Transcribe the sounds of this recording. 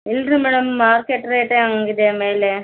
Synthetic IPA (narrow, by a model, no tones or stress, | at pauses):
ɪlrɯmɪɽɐmːaːɾkeʈːɾeːʈːeɐŋɡiðeːmeːle